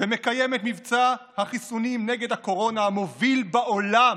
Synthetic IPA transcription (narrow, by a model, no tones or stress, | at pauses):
vemekajemet̪mivt͡sahaχisunimneɡe̞d̪hako̞ʁo̞nahamo̞vilbaʔo̞lam